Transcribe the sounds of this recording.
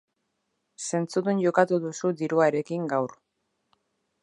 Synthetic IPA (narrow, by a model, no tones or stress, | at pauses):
se̞nt͡suðunʝo̞kat̪uðusud̪iɾuaeɾe̞kiŋɡawr